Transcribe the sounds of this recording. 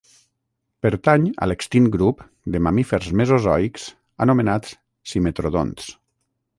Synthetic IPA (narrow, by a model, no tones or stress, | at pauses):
pəɾt̪aɲa̰lekst̪inɡɾup | d̪emamifeɾzmezozɔiks | anumenat̪s | simet̪ɾoð̞o̰ns